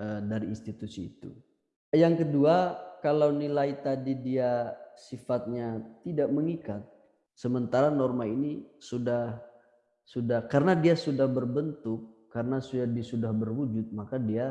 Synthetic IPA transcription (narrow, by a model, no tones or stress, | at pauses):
ədaɾiːnst̪it̪usiːt̪ṵ | jaŋkəduakalawnilait̪adidiasifat̪̚ɲaidaʔməŋikat̪̚ | səmənt̪aɾanɔrmainisudah | sudahkaɾənadiasudahbərbənt̪ʊk̚ːaɾənasuadiasudahbərwud͡ʒʊt̪̚makadia